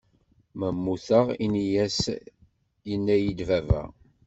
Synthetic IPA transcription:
məmːuθəʁinijæs | jənːæjid̪vævæ̰

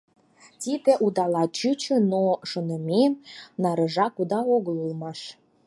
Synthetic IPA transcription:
t̪id̪ĕʔud̪ɑlɑt͡ɕyt͡ɕø̆noʃonəmʲenɑɾə̆ʒɑkud̪ɑoɣəlulmɑʃ

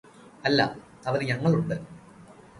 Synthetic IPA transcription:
ɐlːɐ̰ | ɐʋɐðɨɲɐŋːɐɭuɳɖɨ

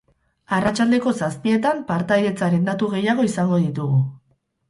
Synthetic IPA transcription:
arat͡ʃald̪e̞ko̞saspie̞t̪ampaɾt̪ajðe̞t͡saɾe̞nd̪at̪uɣe̞jaɣ̞o̞isaŋɡo̞ðit̪uɣu

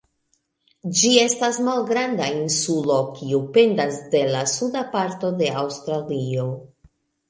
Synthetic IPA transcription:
d͡ʒie̞stasmalɡɾandainsulo̞kʰiupe̞ndasde̞lasudapaɾto̞de̞awstɾalio̞

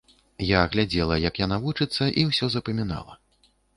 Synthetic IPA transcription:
jaɣlʲad͡zʲɛlˠɐjɐkjan̪avut͡ʂɨt̪sːɐʔiwsʲɔzɐpɐmʲina̰lˠɐ̰

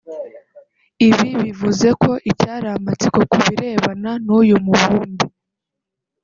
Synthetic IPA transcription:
iβiβivuze̞kʰo̞ʔijaːɾamat͡siko̞kuβiɾe̞ːβananuːjumuβuːnbi

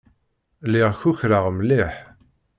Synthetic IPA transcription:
liʁçuçɾəʁmliħ

